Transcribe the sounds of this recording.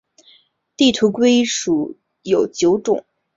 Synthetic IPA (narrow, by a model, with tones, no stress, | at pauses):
t̪i˥˩t̪ʰu˧˥kwe˥ɪʂu˨˩ | jo˨˩ʊt͡ɕjo˧˥ʊʈ͡ʂʊ̰˨˩˦ŋ